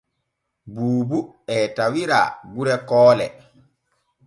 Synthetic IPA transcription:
buːbu | ɛtawiɾa̰ɡuɾɛkɔːlɛ̰

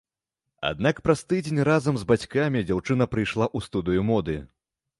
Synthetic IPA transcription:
a̰d̪nakpɾɐst̪ɨd͡zʲenʲrazɐmzbat͡sʲkamʲid͡zʲawt͡ʂɨn̪ɐpɾɨjʂlˠaʔust̪ud̪ɨjumɔd̪ɨ

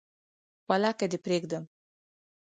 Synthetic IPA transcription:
walakad̪epɾeɡd̪əm

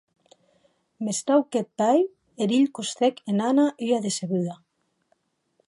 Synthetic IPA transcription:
mest̪awket̪̚ːaj | eɾiʎkust̪ekenanaʔijaðeseɣyða

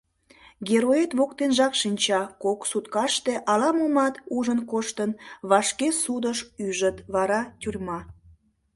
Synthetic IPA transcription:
ɡʲeɾoet̪βokt̪enʒɑkʃinʲt͡ɕɑkoksut̪kɑʃt̪e̽ʔɑlɑmumɑt̪uʒənkoʃt̪ənβɑʃkesud̪əʃyʒət̪βɑɾɑt̪ʲyrʲmɑ

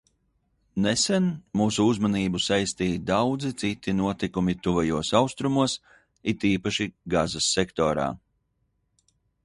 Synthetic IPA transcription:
nɛsɛnmuːsuuzmaniːbusajst̪iːd̪awd̪zit̪sit̪inuɔt̪ikumit̪uvajuɔsawst̪ɾumuɔs | it̪iːpaʃiɡazasːɛkt̪ɔːɾa̰ː

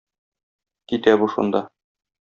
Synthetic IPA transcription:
kit̪æbuʃṵnd̪ɑ

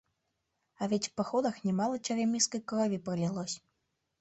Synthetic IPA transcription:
ɐvʲɛt͡sʲwpaxɔd̪ɐxnʲɛmalˠɐt͡ʃʲɛɾʲamʲiskɐjkɾɔvʲipɾɨlʲɛlˠɔsʲ

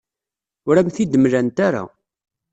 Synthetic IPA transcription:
ʊɾæmθid̪əmɾænt̪aɾa̰

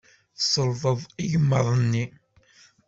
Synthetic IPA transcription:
θsəlvˤəðˤiʝəmːəðˤənːi

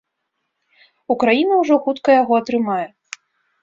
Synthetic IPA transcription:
ukɾajinɐwʐɔxut̪kɐjaɣɔɐt̪ɾɨmajɛ

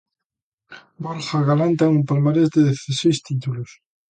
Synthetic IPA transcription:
bɔlχaɣalant̪̬aeumpalmaɾezd̪eðeθasejst̪it̪ulʊs

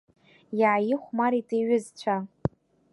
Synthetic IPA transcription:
jaʕajɪχʷmaɾitʰʼeɥʏzt͡ɕʷʰa

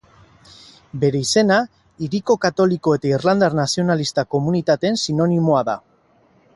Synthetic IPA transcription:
be̞ɾe̞ise̞na | iɾiko̞kat̪o̞liko̞e̞t̪airland̪aɾnasio̞nalist̪ako̞munit̪at̪ensino̞nimoaða̰

